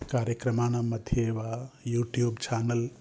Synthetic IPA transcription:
kaːɾjɐkɾɐmaːnamɐd̪ʱjeʋajuːʈjuːbt͡ʃaːnɐl

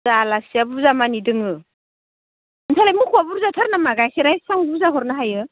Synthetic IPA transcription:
alasiabuzamanidɯŋɯ | ɯntʰalajmukʰuabuɾzatʰaɾnamaɡajsʰeɾajsaŋbuzaɦɔɾnaɦajɯ

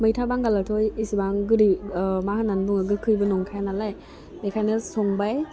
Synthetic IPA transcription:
mɯjtʰabaŋɡalatʰɔjisibaŋɡɯɾimahananbuŋaɡɯkʰɯjbɯnɔŋkʰajnalaj | lekʰajnɯsɔŋbaj

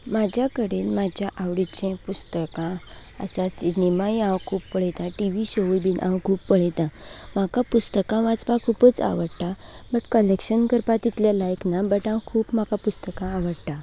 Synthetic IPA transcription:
mad͡ʑʱjakəɽenmad͡ʑʱjaʔaʋɽit͡ɕẽpust̪əkã | ə̰sasinemajãwkʰuːpːəɭet̪ãʈiʋiɕobinʔã̰wkʰuːpːəɭet̪ãm̤akapust̪əkãʋat͡sbakʰuːpət͡sa̰ʋəɽʈ̪abəʈkəlekɕənkəɾpat̪it̪ljalajknabəʈãwkʰuːpm̤akapust̪əkãːʋəɽʈ̪a

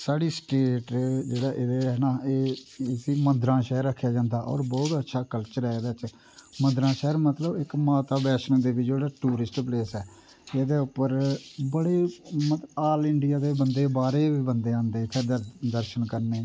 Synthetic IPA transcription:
saːɽiːsʈeːʈd͡ʒeːɽaːʔɪd̪eːɦɛːnaːeːsiːmə̃nd̪ɾãːʃɛːəɾːəkʰːjaːd͡ʒãːnd̪aːʔɔ̰ːɾbɔːt̪ətːʃʰaːkəlt͡ʃəɾɦɛːeːd̪aːt͡ʃ | mə̃nd̪ɾãːʃɛːəɾmət̪ləbɪkmaːt̪aːbɛːʃnd̪eːʋid͡ʒeːɽaːʈuːɾɪsʈpleːsɛː | eːd̪eːʊpːəɾbəɽeːmət̪aːlɪɳɖɪjaːd̪eːbənd̪eːbaːɾeːʋiːbənd̪eːãːnd̪eːpʰɪɾd̪aːd̪əɾʃənkəɾneː

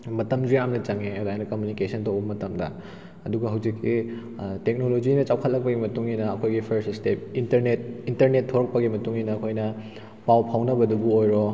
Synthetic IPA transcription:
mɐtɐmziamnɐt͡ʃɐŋeodajnɐkomjunikesɐntowbɐmɐtɐmdɐ̰ | ɐduɡɐɦawd͡ʒikːi | tek̚nolod͡ʒinɐt͡ʃawkʰɐt̚lɐk̚pɐɡimɐtuŋinɐːkʰojɡipʰɐɾsstep̚intɐɾnet̚intɐɾnetʰːoɾɐk̚pɐɡimɐtuŋinɐːkʰojnɐ | pawpʰawnɐbɐdubuojɾo

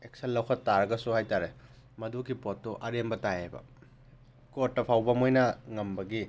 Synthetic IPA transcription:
ek̚sɐlːɐwkʰɐtːaɾɐɡɐsuhajtaɾe | mɐdukipotːuʔɐɾembɐtajajbɐ̰ | kot̚ːɐpʰawbɐmojnɐŋɐmbɐɡi

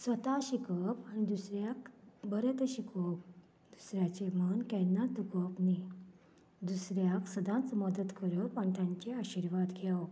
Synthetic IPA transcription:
sʋət̪aɕikəpañid̪usɾjakbəɾet̪əɕikop̚ | d̪̥usɾjat͡ɕemənkɛnːad̪ukəpni | d̪usɾjaksəd̪ãnt͡sməd̪ət̪kʰəɾəpənt̪jãɲt͡ɕeaɕiɾʋad̪ɡʱjaw

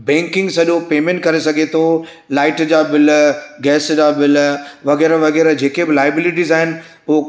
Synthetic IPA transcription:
bɛ̃ːŋkɪ̃ŋɡsɐʄopeːmẽːɳʈ̚kɐɾesɐɡʱet̪ʰo | laːɪʈd͡ʑaːbɪlɡɛːsd͡ʑaːbɪlʋɐɣɛːɾəʋɐɣɛːɾd͡ʑeːkebɪlaːjəbɪliʈizaːɦɪnɪ̆ | ʊɦo

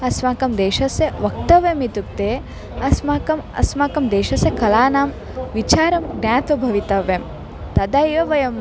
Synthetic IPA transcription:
ɐsmaːkɐmd̪eːʃɐseʋɐk̚t̪ɐʋjɐmit̪uk̚t̪eː | ɐsmaːkɐmɐ̰smaːkɐmd̪eːʃɐsekɐlaːnaːm | ʋit͡ʃaːɾɐmɡnʲaːt̪ʋɐbʱɐʋit̪ɐʋem | t̪ɐd̪aːjoʋɐjɐm

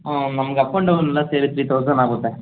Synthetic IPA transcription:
onɐmːɐɡɐpːɐɳɖɐʋɐnɛlːɐseːɾit̪ɾiːt̪oːs̬ɐnaːɡot̪ːe

